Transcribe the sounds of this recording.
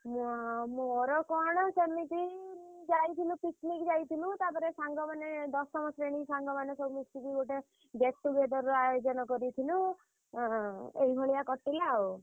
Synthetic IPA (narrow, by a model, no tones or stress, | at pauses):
muamoɾɔkɔɽ̃ɔsemitid͡ʒajt̪ʰilũpiknikd͡ʒajt̪ʰilũt̪apɔɾesaŋɡɔmaned̪ɔsːɔmɔsɾeɽ̃isaŋɡɔmanesɔbumisikiɡoʈe | ɡesʈubed̪ɔɾɾɔajod͡ʒɔnɔkɔɾit̪ʰilũ | eɦibʱɔɭijakɔʈːilaw